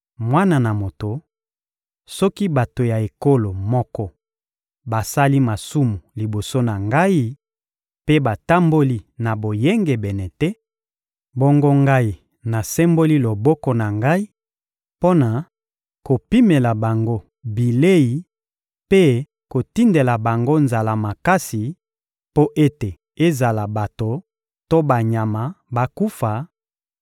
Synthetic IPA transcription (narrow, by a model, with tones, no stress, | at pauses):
mwa˦na˨na˨mo˨to˨ | sɔ˦ki˦ba˨to˨ja˨e˨ko˦lo˨mɔ˦kɔ˦ | ba˨sa˦li˦ma˨su˦mu˨li˨bo˨so˦na˨ŋɡa˦i˦ | pe˦ba˨ta˦mbo˦li˦na˨bo˨je˦ŋɡe˨bɛ˨nɛ˨tɛ˦ | bɔ˦ŋɡo˦ŋɡa˦i˨ | na˨sɛ˦mbo˦li˦lo˨bɔ˦kɔ˦na˨ŋɡa˦i˦ | po˦na˨ | ko˨pi˦me˨la˨ba˨ŋɡo˦ | bi˨le˦ji˨ | pe˦ | ko˨ti˦nde˨la˨ba˨ŋɡo˦nza˨la˨ma˨ka˦si˨ | po˦ʔe˦te˨ | e˦za˨la˨ba˨to˨ | to˦ba˨ɲa˨ma˨ba˨ku˦fa˨